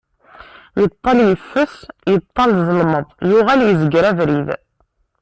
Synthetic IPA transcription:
jət̪ˤːɑljəfːəsjət̪ˤːɑlzˤəlməðˤjuʁæljəzəɡɾævɾið

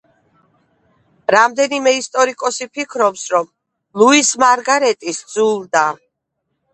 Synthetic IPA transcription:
ɾamd̪ɛnimɛist̪ʼɔɾikʼɔsipʰikʰɾɔpsɾɔm | lˠuismaɾɡaɾɛt̪ʼisd̪zulˠd̪a

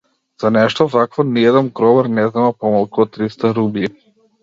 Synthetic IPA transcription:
z̥anɛʃt̪ɔvakvɔniɛd̪ɛnɡɾɔβaɾnɛznamapɔmalˠkuɔt̪ːɾist̪aɾubi

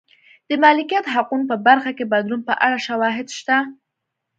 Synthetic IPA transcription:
d̪̥əmɑlɪkijat̪ɦaqunpəbaɾxakebad̪lunpəʔaɽaʃawɑɦɪd̪ʃt̪a

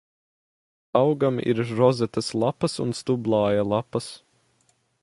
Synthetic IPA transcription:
awɡamḭɾɾɔzɛt̪ɐslˠapɐsṵnst̪ublˠɑːjalˠapɐs

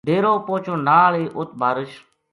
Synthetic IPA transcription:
d̪eːɾoːpoːt͡ʃʰõːnaːleːʔʊt̪̚bʱaːɾəʃ

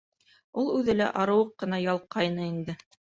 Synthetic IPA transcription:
ulˠʉðɘlæ̰ʔɑɾɤ̆wɤqːɤ̆nɑjɑlˠqɑjnɤind̪ɘ

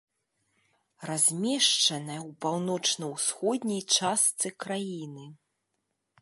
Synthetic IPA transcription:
razʲmʲɛʂt͡ʂɐnɐjɐwpawnɔt͡ʂnɐwsxɔd̪ʲnʲɐjt͡ʂast̪sɨkɾajinɨ

